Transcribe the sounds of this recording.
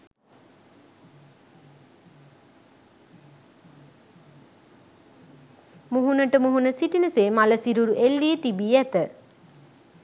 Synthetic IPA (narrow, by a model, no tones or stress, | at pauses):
muɦunəʈəmuɦunəsiʈinəseːmaləsiɾuɾuʔelːiət̪ibiːæt̪ə